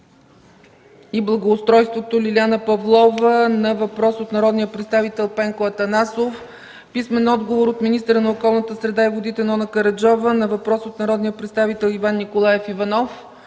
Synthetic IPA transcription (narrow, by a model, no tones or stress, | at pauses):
iblˠɐɡoːst̪ɾɔjst̪vot̪olilʲianəpɐvlˠɔvənɐvɐpɾɔsot̪nɐɾɔd̪nijəpɾɛt̪st̪avit̪ɛlˠpɛŋkoɐt̪ɐnasof | pismɛnɔd̪ɡovoɾot̪minist̪əɾənɐokɔlˠnət̪əsɾɛd̪aivod̪it̪ɛnɔnəkəɾɐd͡ʒɔvənɐvɐpɾɔsot̪nɐɾɔd̪nijəpɾɛt̪st̪avit̪ɛlˠivanːikolˠajɛfivɐnɔf